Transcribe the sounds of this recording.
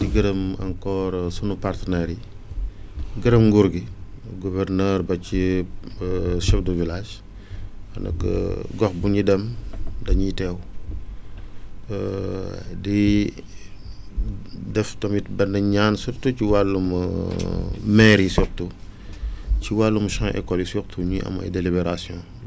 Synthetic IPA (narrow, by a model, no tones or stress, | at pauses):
tiɡɐɾəmɐ̰ŋkɔːɾsunupartənɛɾi | ɡəɾəmŋɡuɾɡiɡuvɛɾnɛːɾbɐci | ʃɛfdəvilaːʃ | ɐ̰nɐ̰kɡɔxbunidɛmdɐɲitɛw | di | dɛftɔmibɐndɐɲansuktuciwalːumɐ̰ | mɛːɾisuk̚tu | ciwalːumɐʃɔ̃ŋʔɛ̰kːɔlisuktʰuɲiʔɐ̰mɐ̰jdelibɛɾasjɔ̃ː